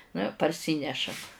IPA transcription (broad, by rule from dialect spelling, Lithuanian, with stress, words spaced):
nʊ ɪ pɐrʲˈsʲiːnʲɛʃɐm